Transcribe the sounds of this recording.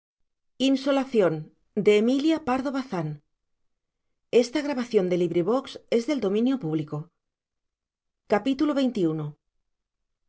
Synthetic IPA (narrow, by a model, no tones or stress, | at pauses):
inso̞laθjo̞n | d̪eːmiljapaɾðo̞β̞aθan | e̞st̪aɣ̞ɾaβaθjo̞nd̪e̞liβɾiβ̞okse̞zðe̞ld̪o̞mĩnjopuβ̞liko | kapit̪uloβ̞e̞jnt̪iuno